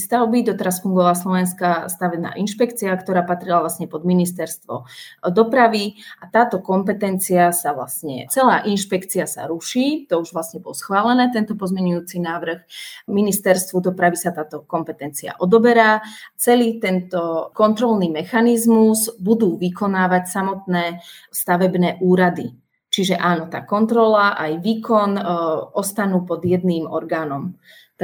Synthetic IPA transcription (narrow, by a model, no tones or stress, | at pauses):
st̪aʊbid̪ɔt̪ɛɾasfuŋɡɔʋaːslɔʋɛnskast̪aʋɛbna̰ːʔinʃpɛkt͡siakt̪ɔɾaːpat̪ɾilavʋlasɲɛpɔd̪minist̪ɛɾst̪ʋɔ̰d̪ɔpɾaʋiʔat̪aːt̪ɔkɔmpɛt̪ɛnt͡siasaʋla̰sɲɛ̰t͡sɛlaːʔinʃpɛkt͡siasa̰ɾuʃiːt̪ɔuʒʋlasɲɛbɔlsxʋaːlɛnɛːt̪ɛnt̪ɔpɔzmɛɲujuːt͡sinaːʋr̩xminist̪ɛɾst̪ʋud̪ɔpɾaʋisat̪aːt̪ɔkɔmpɛt̪ɛnt͡sia̰ʔɔd̪ɔbɛɾaːt͡sɛliːt̪ɛnt̪ɔkɔnt̪ɾɔlniːmɛxanizmuzbud̪uːʋikɔnaːʋacsamɔt̪nɛːst̪aʋɛbnɛːʔuːɾad̪i | t͡ʃiʒɛʔaːnɔt̪a̰ːkɔnt̪ɾɔlaʔajʋiːkɔnʔɔst̪anuːpɔd̪jɛd̪niːmɔ̰ɾɡaːnɔm